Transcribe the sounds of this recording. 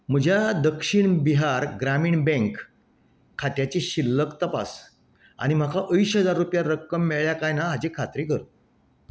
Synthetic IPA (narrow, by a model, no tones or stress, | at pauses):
m̤əd͡ʑʱjad̪əkʂiɳbiɦaɾɡɾamiːɳbɛ̃ŋkʰː | aʈ̪jat͡ɕiɕilːəkt̪əpa̰s | a̰ɽ̃im̤akʰaʔəisɦəd͡zaɾːupjaɾəkːəmːeɭɭjakajnaɦad͡ʑiːkʰat̪ɾikəɾt̪